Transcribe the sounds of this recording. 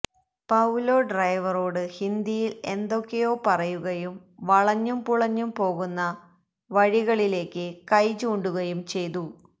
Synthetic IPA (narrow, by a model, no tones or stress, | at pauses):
pɐwulo̞ːɖrɐjʋɐro̞ːɽɨhind̪ijile̞nd̪o̞kːe̞jo̞ːpɐrɐjuɣɐjum | ʋɐɭɐɲːumpuɭɐɲːumpo̞ːɣunːɐ | ʋɐɻiɣɐɭile̞ːkːɨkɐjt͡ɕuːɳɖuɣɐjumt͡ɕe̞jt̪u